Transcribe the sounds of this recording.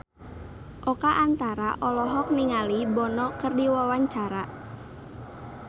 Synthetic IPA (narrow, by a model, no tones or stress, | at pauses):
ʔokaʔant̪aɾa̰ʔɔlɔɦɔk̚niŋalibɔnɔkərdiwawaɲt͡ʃaɾa